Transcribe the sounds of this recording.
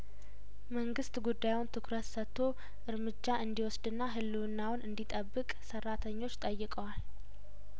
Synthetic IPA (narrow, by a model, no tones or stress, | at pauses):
məŋɡɨst̪ɡud̪ːajwʊnt̪ʰɨkʰɾət̪sət̪ʰːo | ʔɨɾmɨd͡ʒːaʔɨnd̪iwɔsd̪ɨnːaɦɨlːunːawʊnʔɨnd̪it̪ʼəbːɨkʼsərːat̪ʰəɲːo̞t͡ʃːt̪ʼəjːɪkʼəwal